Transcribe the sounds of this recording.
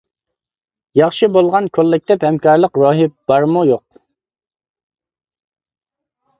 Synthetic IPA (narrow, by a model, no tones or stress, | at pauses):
jɑχʃɨbolˠʁɑnkʲʰolˠːɪk̚ʲt̪ɛphɛmkɑɾlˠəqɾoːɦɪp̚b̥ɑɾmujoq̚